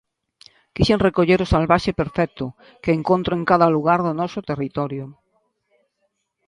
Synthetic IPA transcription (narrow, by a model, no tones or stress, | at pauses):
kiʃenrekoʎeɾosalβaʃepeɾfɛk̚t̪ʊ | keːŋkõnt̪ɾoeŋkaðaluɣ̞aɾðonɔsot̪erit̪ɔɾjo